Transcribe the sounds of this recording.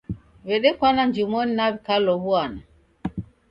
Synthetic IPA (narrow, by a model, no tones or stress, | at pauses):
vɛɗɛkwanaɲd͡ʒimoninaβikalɔbuana